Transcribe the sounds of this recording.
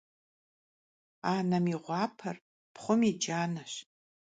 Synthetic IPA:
aːnɐmiʁʷɑːpʰɐr | pʰχʷʊmid͡ʒaːnɐɕ

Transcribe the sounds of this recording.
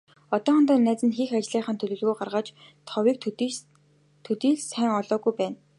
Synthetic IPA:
ɔt̪ɔːχɔnt̪ɔːnæːt͡sɘ̆nxiːxat͡ɕɮiːχə̆nt̪ʰɵɮɵ̆ɮɣujɢarʁaːt͡ɕ | t̪ʰɔwiːk̪̚ | t̪ʰɵt̪iːɮsæːŋɔɮɔːɣujpæːn

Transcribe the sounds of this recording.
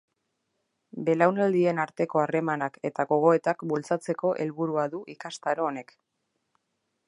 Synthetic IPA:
be̞lawnald̪ie̞naɾt̪e̞ko̞are̞manake̞t̪aɣo̞ɣ̞o̞e̞t̪akbult͡sat͡se̞ko̞ʔe̞lβuɾuaðuʔikast̪aɾoːne̞k

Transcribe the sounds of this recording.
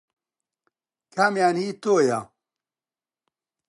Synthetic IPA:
kʰamjaːnhiːt̪oja̰

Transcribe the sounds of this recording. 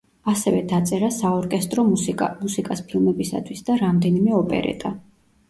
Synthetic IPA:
asɛvɛd̪at̪sʼɛɾasaɔɾkʼɛst̪ʼɾɔmuimusikʼaspʰilˠmɛbisa̰t̪ʰwisd̪aɾamd̪ɛnimɛɔpʼɛ̰ɾɛ̰t̪ʼa

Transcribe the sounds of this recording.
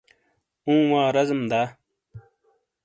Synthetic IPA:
ũːwãːɾɐzmd̪aː

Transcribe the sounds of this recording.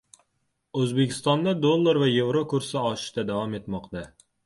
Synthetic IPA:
ɵzbe̞kʲɪ̥st̪ɒnd̪ad̪olˠːaɾvaje̞vɾokʊɾsɪɒʃɪ̥ʃt̪ad̪avɒme̞t̪mɒqt̪a

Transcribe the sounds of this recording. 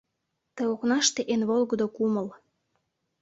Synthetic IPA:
t̪eoknɑʃt̪eʔenβolɣə̆d̪okuməl

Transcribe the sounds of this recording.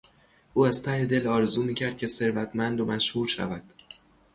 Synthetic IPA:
ʔuːæz̥t̪ʰæhe̞d̪e̞lɒːɾezuːmiːcʰæɾd̪̚cʰʲe̞se̞ɾvæt̪ʰmænd̪omæʃhuːɾʃæ̰væd̪̥

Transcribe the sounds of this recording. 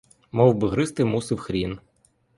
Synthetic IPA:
mɔwbɨɦɾɪst̪ɪmusɪwxɾʲin

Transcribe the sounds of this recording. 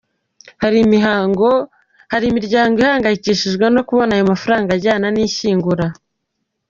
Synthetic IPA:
haɾimiɦaɡo | haɾimiɾɟaːŋɡoihaːŋɡajiciːʃiʒɡweno̞kuβo̞naːjo̞mafuɾaːŋɡaɟaːnaniːʃiːŋɡuɾa

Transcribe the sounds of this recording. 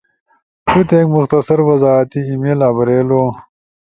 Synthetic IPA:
t̪ʰut̪eːkmʊxt̪ɐsɐɾwɐzaːt̪iimelaːbɐɾeːloː

